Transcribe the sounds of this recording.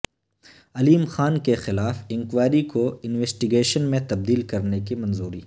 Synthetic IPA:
ɐliːmxaːnkexɪlaːfɪ̃ŋkʋaːɾikoɪnweːsʈɪɡeːʃənmẽt̪ɐb̚d̪iːlkɐɾnekimɐ̃nzuːɾiː

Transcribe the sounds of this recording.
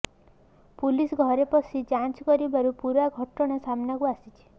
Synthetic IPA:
pulisɡʱɔɾepɔsʰid͡ʒant͡ʃkɔɾibaɾupuɾaɡʱɔʈɔɽ̃esamnakuasit͡ʃʰi̥

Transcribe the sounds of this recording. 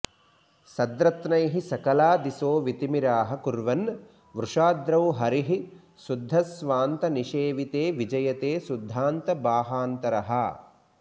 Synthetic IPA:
sɐd̪ɾɐt̪nɐjɦisɐkɐlaːd̪isoːʋit̪imiɾaːɦɐkuɾʋɐn | ʋɾuʂaːd̪ɾɐwɦɐɾiɦi | sud̪ʱːɐsʋaːnt̪ɐniʃeːʋit̪eːʋid͡ʒɐjɐt̪eːsud̪ʱːaːnt̪ɐbaːɦaːnt̪ɐɾɐɦɐ̰

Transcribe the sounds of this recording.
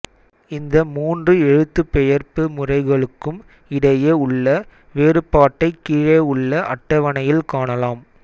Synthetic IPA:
ɪnd̪ɐmuːndrɯɛɻɯt̪ːɯpːɛjɐrpɯmʊrɐɪɣɐɭɯkːɯm | ɪɽɐjeːʊɭːɐ | ʋeːrɯpːaːʈːɐɪkːiːɻeːʊɭːɐʔɐʈːɐʋɐnɐjɪlkaːɳɐlaːm

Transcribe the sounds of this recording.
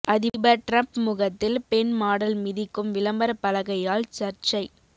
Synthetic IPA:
ʔɐðɪbɐɾʈɾɐmpmʊɣɐt̪ːɪlpɛnmaːɽɐlmɪðɪkːɯmʋɪlɐmbɐɾɐpːɐlɐɣɐjaːlt͡ʃɐɾt͡ʃɐɪ

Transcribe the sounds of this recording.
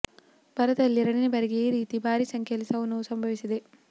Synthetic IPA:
b̥ʱɐɾɐt̪ɐlːiɾɐɳinebɐɾiɡeɾiːt̪ibʱaːɾisɐŋkʰjɐlisɐʋunːusɐmbʱɐʋisɐd̪e

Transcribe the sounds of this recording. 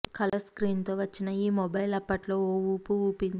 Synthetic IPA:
kɐlɐskɾiːnt̪o̞ːʋɐt͡ʃːinɐiːmɔbɐjlɐpːɐʈlo̞ːouːpuuːpin

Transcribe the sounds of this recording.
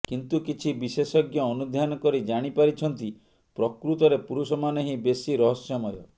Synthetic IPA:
kint̪ukit͡ʃʰibisesɔɡjɔːnud̪ʱjanɔkɔɾid͡ʒaɽ̃ipaɾit͡ʃʰɔnt̪i | pɾɔkɾut̪ɔɾepuɾusɔmaneɦĩbesiɾɔɦɔsjɔmɔjɔ

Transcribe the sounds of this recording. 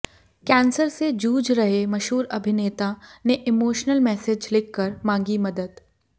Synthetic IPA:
kɛ̃ːnsəɾsed͡ʒuːd͡ʒɾɐɦemɐʃɦuːɾɐbʱɪneːt̪aneʔɪmoːʃnəlmɛːsɪd͡ʒlɪkʰːəɾmãːŋɡimɐd̪əd̪

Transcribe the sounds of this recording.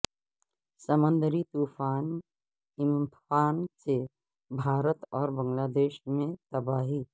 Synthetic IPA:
səmə̃nd̪əɾit̪uːfʰaːn | ɪmfaːnse | bʱaːɾət̪ɔːɾbə̃ŋlaːd̪eːʃmẽt̪əbaːɦi

